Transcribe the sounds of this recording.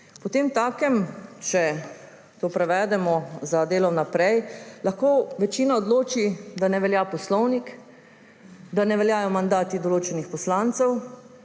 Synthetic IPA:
pɔt̪eːmt̪aːkɛmt͡ʃɛ | t̪oːpɾɛʋɛːd̪ɛmɔzad̪eːlɔmnapɾɛjlaxkoːʋɛt͡ʃiːnaɔd̪loːt͡ʃid̪anɛʋɛljaːpɔslɔwnik | d̪anɛʋɛljaːjɔmand̪aːt̪id̪ɔloːt͡ʃɛnixpɔslant̪sɛw

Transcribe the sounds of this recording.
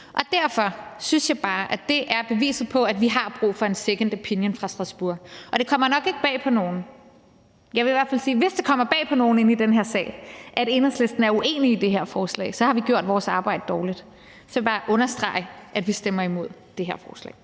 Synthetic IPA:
ʔɒ̽d̥æɐfɒ̽synsjɑ̈ɪb̥ɑ̈ːʔæd̥e̝ʔæɐb̥e̝ʋḭːsð̩ˠpʰɒ̽æd̥ʋiɦɑ̈b̥ʁṵːfɒ̽e̝nseɡ̥ənd̥əpʰinjənfʁɑ̈sd̥ʁɑ̈sb̥uɐ̰ʔɒ̽d̥e̝kʰɒ̽m̰ɐnɒ̽ɡ̥e̝ɡ̥̚b̥ɛ̰ːpʰɒ̽no̝ːn̩ | jɑ̈ɪʋe̝iʋæɐfælsiːʋe̝sd̥ekʰɒ̽m̰ɐb̥ɛ̰ːpʰɒ̽no̝ːn̩e̝nid̥enɦeɐsɛ̰ːɪʔæɾ̥e̝nəslesd̥n̩æɐuʔe̝̰ːniːd̥e̝ɦeɐ̰fɒːslɛ̰ɪsɒ̽hɑ̈ʋiɡ̥jo̝ɐ̰d̥ʋɒːsɑ̈ːb̥ɑ̈ɪ̰d̥əd̥ɒːlid̥ | sɒjbɑ̈ːʔɔ̽nɐsd̥ʁɑ̈ɪʔæd̥ʋisd̥emɐimo̝ð̞̰ˠd̥e̝ɦeɐ̰fɒːslɛ̰ːɪ

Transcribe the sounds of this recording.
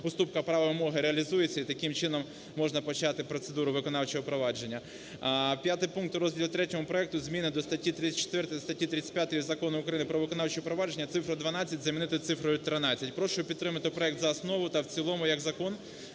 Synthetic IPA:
ʊst̪upkɐpɾɑʋɐʋɪmɔɦɪɾeɐlʲizujet͡sʲːɐit̪ɐkɪmt͡ʃɪnɔmː | ɔʒnɐpɔt͡ʃɑt̪ɪpɾɔt̪sed̪uɾʊʋɪkɔnɑwt͡ʃɔɦɔpɾɔʋɑd͡ʒe̞nʲːɐ | pʲjat̪ɪjpunk̚t̪ɾɔzʲdʲilˠt̪ɾɛtʲɔmʊpɾɔɛk̚t̪ʊzʲmʲinɪd̪ɔst̪ɐtʲːit̪ɾɪt͡sʲɐ̥t͡ʃːe̥t̪ʋɛrt̪jst̪ɐtʲːit̪ɾɪit͡sʲsʲtʲpʲjat̪ɔjʊzɐkɔnʊʊkɾɐjinɪpɾɔʋɪkɔnɑwt͡ʃɪʊpɾɔʋɑd͡ʒenʲːɐt̪sɪfɾʊd̪ʋɐnɑt͡sʲːɐt̚ʲzɐmʲinɪt̪ɪt̪sɪfɾɔjʊt̪ɾɪnɑt͡sʲːɐtʲpɾɔʃʊʊpʲid̪ːɾɪmɐt̪ɪpɾɔɛkt̪zɐːsnɔʋʊt̪ɐwt͡sʲilˠɔmʊjɐɡzɐkɔn

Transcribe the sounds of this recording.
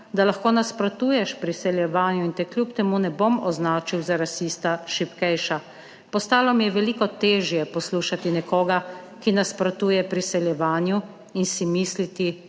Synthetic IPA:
d̪alaxkoːnaspɾɔt̪uːjɛʃpɾisɛljɛʋaːnjuint̪ɛkljupt̪ɛmunɛbomɔznaːt͡ʃiwzaɾasist̪aʃipkɛjʃa | pɔst̪aːlɔmijɛʋɛliːkɔt̪eːʒjɛpɔsluːʃat̪inɛkoːɡa | kinaspɾɔt̪uːjɛpɾisɛljɛʋaːnju | insimislit̪i

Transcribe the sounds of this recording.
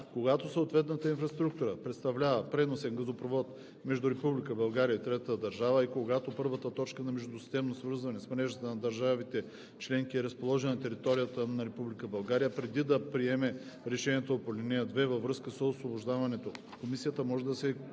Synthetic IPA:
koɡat̪osooːt̪vɛt̪nət̪əinfɾɐst̪ɾuk̚t̪uɾəpɾɛt̪st̪ɐvlʲavɐpɾɛnosɛnɡɐzopɾovɔt̪ | mɛʒd̪ʊɾɛpublikəbɐlˠɡaɾijəit̪ɾɛt̪əd̪ɐɾʒavəikoɡat̪opɤɾvət̪ət̪ɔt͡ʃkənɐmɛʒd̪ʊsist̪ɛmnosvɤɾzvɐnɛsmnɛʒət̪ənɐd̪ɐɾʒavit̪ɛ | t͡ʃlɛŋk̟iɛɾɐspolˠɔʒɛnnt̪ɛɾit̪ɔɾijət̪ənɐɾɛpublikəbɐlˠɡaɾijəpɾɛd̪id̪ɐpɾiɛmɛ | ɾɛʃɛniɛt̪opolʲiniəd̪vɛvɐvɾɤskəsosvoboʒd̪avɐnɛt̪o | komisijət̪əmɔʒɛd̪ɐsɛ

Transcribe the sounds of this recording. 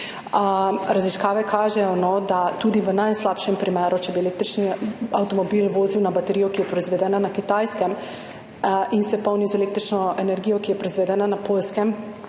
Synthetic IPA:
ɾaziskaːʋɛkʰaːʒɛjɔnɔd̪at̪uːd̪iʋənajslaːpʃɛmpɾimɛːɾʔut͡ʃɛbiɛleːk̚t̪ɾit͡ʃniawt̪ɔmɔbiːlʋoːziwnabat̪ɛɾijɔkijɛpɾɔizʋɛd̪ɛːnanakit̪ajskɛm | insɛpɔwnizɛlekt̪ɾit͡ʃnɔʔenɛɾɡijɔkijɛpɾɔizʋɛd̪ɛːnanapoːlskɛm

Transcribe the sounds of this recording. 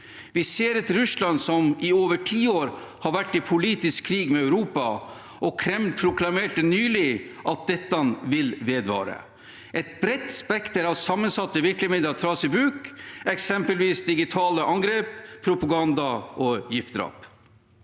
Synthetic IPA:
ʋɪseːɾɛt̪ɾʉslɑnsɔmɪoːʋəʈʰiːoːɾ | hɑɾʋæʈːɪpʰʊliːt̪ɪskʰːɾiːɡmɛœʉɾuːpɑ | ʔɔkʰɾɛmlpʰɾʊkʰlɑmeːʈənyːlɪʔɑt̪̚d̪ɛt̪ːɑnʋɪlʋeːd̪ʋɑ̰ːɾə̰ | ʔɛt̪̚bɾɛt̪ːspɛkt̪əɾɑʋsɑmːənsɑt̪ːəʋɪɾkləmiːd̪ɑt̪ʰɾɑːsɪbɾʉːkɛksɛmpəlʋiːsd̪ɪɡɪt̪ʰɑːləʔɑŋɡɾeːppʰːɾʊpɑɡɑnd̪ɑʔɔjɪft̪d̪ɾɑ̰ːp

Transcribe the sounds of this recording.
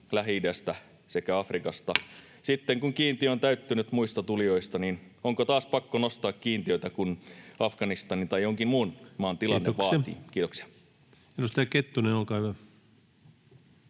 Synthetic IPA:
læɦidæst̪æ | sekæɑfrikɑst̪ɑ | sit̪ːeŋkuŋkiːnt̪iøont̪æyt̪ːynyt̪muist̪ɑt̪ulijoist̪ɑnin | oŋkot̪ɑːspɑkːonost̪ɑːkkiːnt̪iøit̪ækunɑfɡ̥ɑnist̪ɑnint̪ɑjoŋkimmuːnmɑːnt̪ilɑnːeʋɑːḭːkiːt̪oksi̥ɑ̥ | minust̪ɑjɑket̪ːuneolkɑːyæ

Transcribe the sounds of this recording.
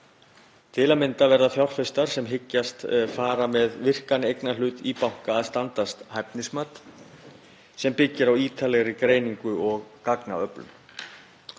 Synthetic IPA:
t̪ʰɪlamɪnt̪avɛɾðaθjawr̥fɪst̪aɾ̥sɛmɦɪcːast̪faːɾamɛðvɪr̥kanɪejknalʏːt̪ipawŋ̥kaːðst̪ant̪ast̪hajp̚nɪsmat̪ | sɛmpɪcːɪɾawiːt̪ʰalɛɣɾɪkɾeːjniŋkʏɔɣkakna̰œplʏ̰m

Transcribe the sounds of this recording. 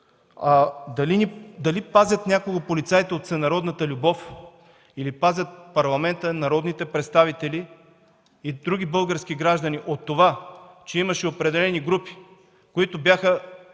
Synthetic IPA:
ad̪ɐlinid̪ɐlipazʲɐt̪nʲakoɡəpolit̪sait̪ɛot̪sɛnɐɾɔd̪nət̪əlʲʊbɔf | ilipazʲɐt̪̚pɐɾlˠɐmɛnt̪ənɐɾɔd̪nit̪ɛpɾɛt̪st̪avit̪ɛliː | d̪ɾuɡʲibɤlˠɡəɾskiɡɾaʒd̪ɐniʔot̪ːovat͡ʃɛimɐʃɛopɾɛd̪ɛlɛniɡɾupi̥ | koit̪obʲjaxə

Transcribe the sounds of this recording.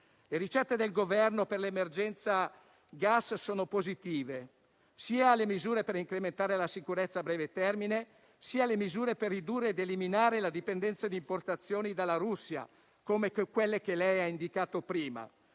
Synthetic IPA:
leɾit͡ʃɛt̪ːed̪elɡovɛrnoperlemerd͡ʒɛnt̪sa | ɡasːoːnopozit̪iːve | siːalemizuːɾepeɾiŋkɾement̪aːɾelasikuɾet̪sːaːbɾɛːvet̪ɛrmine | siːalemizuːɾeperːid̪uːrːeːd̪eliminaːɾelad̪ipend̪ɛnt̪sad̪iːmport̪at̪sːjoːnid̪alːaɾusːja̰ | komekwelːek̟elɛjaind̪ikaːt̪opɾiːma̰

